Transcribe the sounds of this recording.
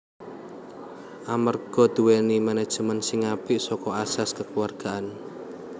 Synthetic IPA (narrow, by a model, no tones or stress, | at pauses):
ʔamərɡ̥ɔ̤d̪̥ṳwenimanɛd̥ʒ̥ə̤mənsɪŋab̥ɪʔsɔkɔasaskəkuwarɡ̥aʔan